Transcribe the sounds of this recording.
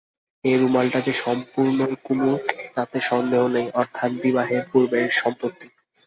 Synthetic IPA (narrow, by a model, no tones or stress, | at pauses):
eɾumalʈad͡ʑeʃɔmpuɾnokumuɾkt̪at̪eʃɔnd̪eɦonejʔɔɾt̪ʰanbibaɦepuɾbeɾʃɔmpot̪ːi